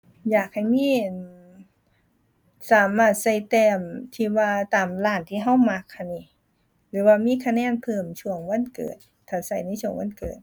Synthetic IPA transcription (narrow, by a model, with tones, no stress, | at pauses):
jaː˨˩k̚ha˨˩jmiː˧˥˨ | saː˨˦maː˧˩t̪̚sa˧˩jt̪ɛː˧˩mt̪ʰiː˧˩waː˧t̪aː˨˩mlaː˧˩nt̪ʰiː˧˩ɦa˧˥˨wma˧k̚ha˧˨nːi˧˩ | lɯː˨˦waː˧miː˧˥˨kʰa˧nɛː˧˥˨npʰɤː˧˩mt͡ɕʰu˧˩əŋwa˧˥˨nkɤ̰ː˨˩t̪̚ʰːaː˨˩sa˧˩jna˧˥˨t͡ɕʰu˧˩əŋwa˧˥nkɤ̰ː˨˩t̪̚